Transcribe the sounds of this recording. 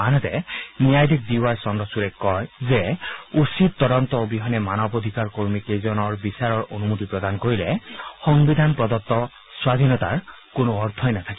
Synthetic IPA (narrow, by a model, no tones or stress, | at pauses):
anɔt̪ɛnijajd̪ik̚d̪iwaɹsɔndɔsuɹɛkɔjzɛusit̪̚t̪ːɔdɔnt̪ɔbiɦɔnɛmanɔbod̪ʱikaɹkoɹmikejzɔnɔɹbisaɹɔɹonumut̪ipɹɔd̪ankoɹilɛxɔŋbid̪ʱanpɹɔd̪ɔt̪ːɔ | swad̪ʱinɔt̪a̰ɹ | konoɔɹt̪ʰɔjnat̪ʰaki